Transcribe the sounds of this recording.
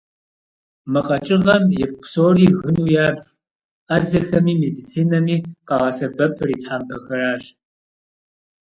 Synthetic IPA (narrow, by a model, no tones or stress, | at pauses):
mɨqʼɐt͡ʃʼɪʁɐmjɛp̚qʷsoːriːɣɨnuːjaːbɕ | aːzɐxɐmiːmeːdit͡sʰiːnɐmiːqɑːʁɐsɐbɐpʰɨriːtħaːmpʰɐxɐraːɕ